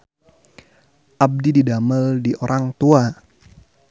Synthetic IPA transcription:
ʔab̚dididaməldiʔoɾʔaŋt̪ua

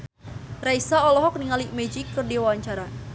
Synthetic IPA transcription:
raisaɔlɔɦɔk̚niŋalimɛd͡ʒɪkːɨrdiwawaɲt͡ʃaɾa

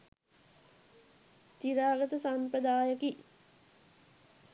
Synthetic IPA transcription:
t̪iɾaːɡət̪əsampɾəd̪aːjəki

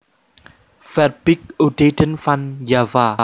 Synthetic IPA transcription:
fɛt̚bik̚odetə̃nfãnjava

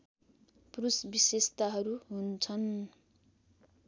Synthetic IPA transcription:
prusbisest̪aɦʌɾuɦunt͡sʰʌn

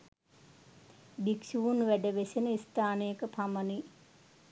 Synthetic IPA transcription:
bikʃuʋunʋæɖəʋesenəist̪aːnejəkəpʰaməni

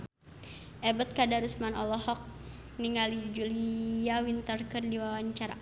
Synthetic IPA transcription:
ʔɛbət̪̚kadaɾusmanɔlɔhɔk̚ | niŋalid͡ʒuliawint̪ərkərdiwaaɲt͡ʃaɾa̰

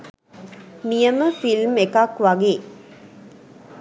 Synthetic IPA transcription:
nijəməfilmekakʋaɡeː

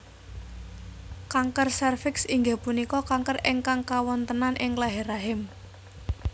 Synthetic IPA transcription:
kaŋkərsɛrfɪksiŋɡapunikɔkaŋkərɪŋkaŋkawɔnt̪ənanʔɪŋlaɦeɾaɦɪm

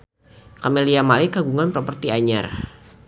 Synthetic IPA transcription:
kameliamalɪkaɡuŋanpɾɔpərt̪iaɲa̰r

